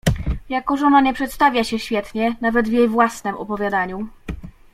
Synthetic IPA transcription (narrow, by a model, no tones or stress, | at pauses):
jakɔʐɔnaɲɛpʂɛt̪st̪avʲjaɕɛɕfʲjɛt̪ɲɛnavɛd̪vʲjejvwasnɛmʔɔ̰pɔvʲjad̪aɲu